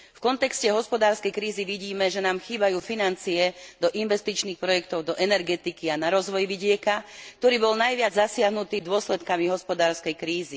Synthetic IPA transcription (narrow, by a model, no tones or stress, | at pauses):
fkɔnt̪ɛkscɛɦɔspɔd̪aːɾskɛjkɾiːziʋiɟiːmɛʒɛnaːmxiːbajuːfinant͡siɛd̪ɔʔinʋɛst̪it͡ʃniːxpɾɔjɛk̚t̪ɔʊd̪ɔʔɛnɛɾɡɛt̪ikianaɾɔzʋɔjʋiɟɪɛkakt̪ɔɾiːbɔlnajʋɪad͡zzasɪaɦnut̪iːd̪ʊɔslɛt̪kamiɦɔspɔd̪aːɾskɛjkɾiːzi